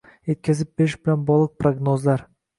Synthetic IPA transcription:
je̞t̪̚kʲʰazɪp̚beɪʃbɪlanbɒlˠɨq̚pɾoɡnozlaɾ

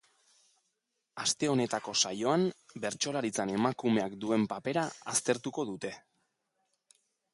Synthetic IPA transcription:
ast̪e̞o̞ne̞t̪ako̞sajo̞ambe̞ɾt͡ʃo̞laɾit͡sane̞makume̞akd̪ue̞mpape̞ɾaast̪e̞ɾt̪uko̞ðut̪e̞

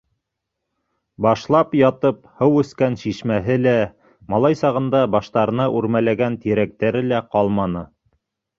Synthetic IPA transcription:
bɑʃlˠɑpjɑt̪ɤphɤwʉ̆skænʃiʃmæɦɘlæ | mɑlˠɑjsɑʁɤ̆nd̪ɑbɑʃt̪ɑɾɤ̆nɑʔʉɾmælæɡænt̪iɾæk̚t̪æɾɘlæqɑlˠmɑnɤ

